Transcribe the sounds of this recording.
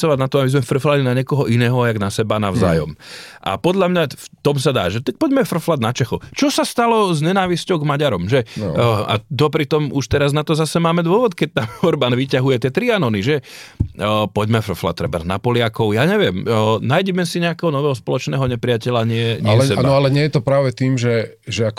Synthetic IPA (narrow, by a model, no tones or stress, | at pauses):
t͡sɔʋaɟnat̪ɔabizmɛfr̩flalinaɲɛkɔɦɔʔinɛːɦɔjaɡnasɛbanaʊza̰ːjɔ̰mʔa̰pɔd̪ʎamɲaft̪ɔmsad̪a̰ːʒɛt̪ak̚pɔɟmɛfr̩flad̪nat͡ʃɛxɔt͡ʃɔsast̪alɔzɲɛnaːʋiscɔʊɡmaɟaɾɔmʒɛa̰d̪ɔpɾit̪ɔmuʃt̪ɛɾaznat̪ɔzasɛmaːmɛd̪ʊɔʋɔt̪kɛc̚t̪amɔɾbaːnʋicaɦujɛt̪ɪɛt̪ɾianɔniʒɛ | pɔɟmɛfr̩fla̰t̪ːɾɛba̰zna̰pɔlɪakɔʊjaːɲɛʋɪɛmnaːjɟɛmɛsiɲɛakɛɦɔnɔʋɛːɦɔspɔlɔt͡ʃnɛːɦɔɲɛpɾɪacɛʎaɲɪɛɲɛɛsɛbanb̪ɔalɛɲɪɛjɛt̪ɔpɾaːʋɛt̪iːmʒɛ | ʒɛak